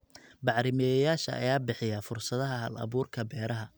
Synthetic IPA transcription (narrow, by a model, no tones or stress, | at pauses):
bɑʕɾɪmɛjjaːʃɐʔɐ̰jaːbɪħɪjafʊrsɐðɐɦɐɦɐ̰lɐ̰βuːrkʰɐbɛːɾɐɦɐ